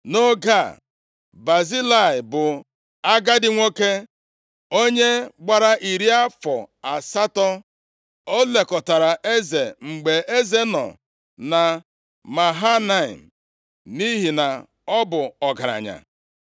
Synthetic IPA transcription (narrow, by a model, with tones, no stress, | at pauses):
no˦ɡa˦˨ | ba˨zi˦la˦˨ɪ˨bʊ˨ | a˦ɡa˦dɪ˦ŋʷo˦ke˦ | o˦ɲe˦ɡ͡ba˨ɾa˦ʔi˨ɾi˦a˦fɔ˨a˨sa˦tɔ˦ | o˦le˨kɔ˨ta˨ɾa˨ʔe˦ze˨ŋ͡m̩˨ɡ͡be˨ʔe˦ze˦nɔ̰˨ | na˨ | ma˨ɦa˦na˦˨ḭ˨m̩˨ | ni˦ɦi˨na˨ | ɔ˦bʊ˨ɔ˨ɡa˨ɾa̰˨ɲa̰˨